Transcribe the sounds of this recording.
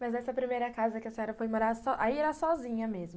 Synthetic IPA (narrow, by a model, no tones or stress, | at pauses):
mɐznɛsɐpɾimejɾɐkazɐkɪɐseɲɔɾɐfojmoɾasɔʔaiɛɾasɔzĩɲɐmezmʊ